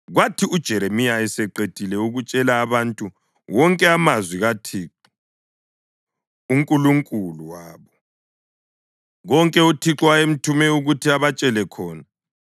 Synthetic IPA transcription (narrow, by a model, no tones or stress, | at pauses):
ɣwatʰiud̥ʒ̥ʱɛɾemijaɛsɛǃetʼilɛuɣut͡ʃʼɛlaːβantʼu | wɔŋkʼɛamazwiɣatʰiːǁu | uŋkʼuluŋkʼuluwaːβɔ | ɣɔŋkʼɛutʰiǁwaem̩tʰumɛuɣutʰiaβat͡ʃʼɛlɛkʰɔːna